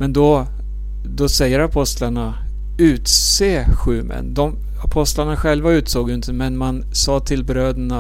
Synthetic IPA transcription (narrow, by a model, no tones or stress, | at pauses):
mɛnd̪ɔ | d̪ɔsɛjːəɾapʰɔst̪laɳa | ʉ̟ːt̪seːɧʉ̟ːmə̰nd̪ɔm | apʰɔst̪laɳaɧɛlvaʉ̟ːt̪soːɡjɵɪnt̪əmɛnman | sɑːt̪ʰɪlbɾøːd̪əɳa